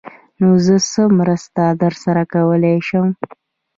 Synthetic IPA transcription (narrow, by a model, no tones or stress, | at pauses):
nozəsəmɾəst̪ad̪əɾsaɾakawəlejʃəm